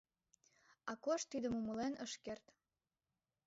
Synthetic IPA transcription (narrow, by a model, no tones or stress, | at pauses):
ɑkoʃt̪ːid̪əmuməlenəʃkert̪